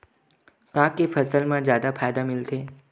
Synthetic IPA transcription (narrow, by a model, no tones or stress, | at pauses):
kãkefəsəlmãzjaːd̪afʰaːjd̪amɪlt̪ʰeː